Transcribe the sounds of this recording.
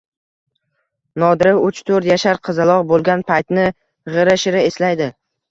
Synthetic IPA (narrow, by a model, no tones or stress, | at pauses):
nɒd̪ɪɾɪʊt͡ʃt̪ʰɵɾt̪jaʃaɾqʰɨzɪlˠɒʁbolˠɡʲanpʰajt̪nɪ | ʁɨɾaʃɪɾɪeslajd̪ɪ